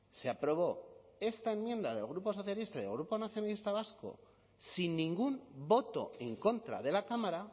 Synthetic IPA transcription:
se̞apɾo̞β̞o̞e̞st̪ae̞mmje̞nd̪aðe̞lɣ̞ɾupo̞s̬o̞θjalist̪aiðe̞lɣɾupo̞naθjo̞nalist̪aβ̞asko̞̰ | sinːĩŋɡumbo̞t̪o̞̰e̞ŋko̞nt̪ɾa̰ð̞e̞lakamaɾa

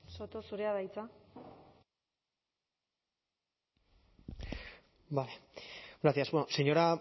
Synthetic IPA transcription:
sot̪osuɾeaðajt͡sa | baleɡɾat̪iasbonoseɲo̞ɾa

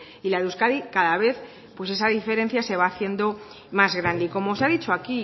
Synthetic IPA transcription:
ilaðuskaðikaðaβe̞θ | pwe̞se̞saðife̞ɾe̞n̟θjase̞β̞aːθje̞nd̪o̞ | mazɣɾand̪eiko̞mosaðit͡ʃoaki

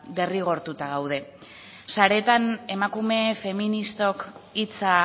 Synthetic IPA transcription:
d̪e̞riɣ̞o̞ɾt̪ut̪aɣawðe̞ | saɾe̞t̪ane̞makume̞fe̞minist̪o̞kit͡sa

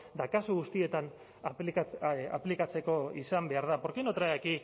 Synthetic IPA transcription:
d̪akasuɣust̪ie̞t̪an | a̰plikat͡se̞ko̞isambe̞aɾð̞apoɾkinot̪ɾaeki

